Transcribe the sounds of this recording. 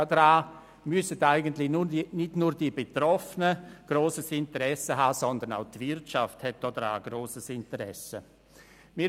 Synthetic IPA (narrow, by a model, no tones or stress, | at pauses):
dɾaː | mʏsədaɪɡəntlɪçnuːnɪtnuːɾd̥ibetrɔfənəɡ̥roːsəsɪntəɾɛsəɦaːsɔnd̪ənaʊtvɪrtʃafthɛt̚d̥ɔːdɾa̰ːɡ̥ɾoːsəsɪntəɾɛ̰sə | miː